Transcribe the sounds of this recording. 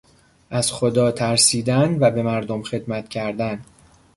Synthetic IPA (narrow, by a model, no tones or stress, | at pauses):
ʔæz̥xod̪ɒːt̪ʰæɾsiːd̪ænvæbe̞mæɾd̪omxe̞d̪mæt̪cʰæɾd̪æn